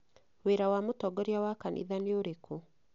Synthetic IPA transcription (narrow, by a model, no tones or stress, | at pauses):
weɾawamotɔɡɔɾjawakanʔḭðaneoɾekʰo